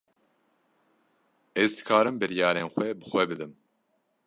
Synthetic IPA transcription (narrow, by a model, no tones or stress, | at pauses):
ɛzd̪ɨkʰaːɾɨmbɨɾijɑːɾeːnxʷwɛbɨxwɛbɨd̪ɨm